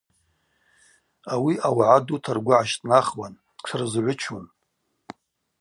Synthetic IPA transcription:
awiʔawʕadutʰarɡʷʊʕaʃtʼnaχwan | t͡sʰɨrzʕʷʊt͡ʃʰun

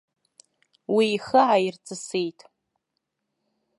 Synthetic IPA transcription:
wiːχəʕairt͡sʰʼɨsejtʼ

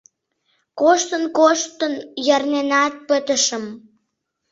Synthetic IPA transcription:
koʃt̪ənkoʃt̪ənjərnenɑt̪̚pət̪əʃəm

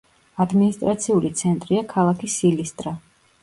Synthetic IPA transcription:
ad̪minist̪ʼɾat̪sʰiulit̪sʰɛnt̪ʼɾiakʰalˠakʰisilist̪ʼɾa

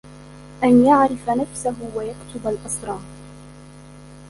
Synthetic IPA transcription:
ʔanjaʕɾɪfanafsaɦʊwajakt̪ʊbalʔɑsˤɾˤɑː

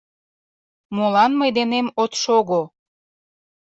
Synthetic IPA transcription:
molɑnməjd̪enemot̪ʃoɣo

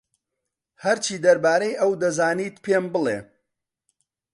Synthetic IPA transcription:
hɐɾt͡ʃʰiːd̪ɐɾbaːɾejʔɐwd̪ɐzaːniːt̪pʰembɨlˠḛ

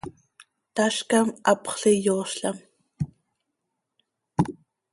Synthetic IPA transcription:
t̪aʃkamɑpχɬijoːʃɬam

